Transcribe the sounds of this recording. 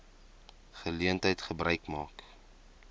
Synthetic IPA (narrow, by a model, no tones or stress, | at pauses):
χəliəntɦəjtχəbrœɥkmɑːk